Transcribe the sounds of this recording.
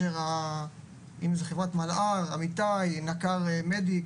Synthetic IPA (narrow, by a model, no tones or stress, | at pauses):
eʁa | imzeχevʁat̪malaʁamit̪ajnakaʁmed̪i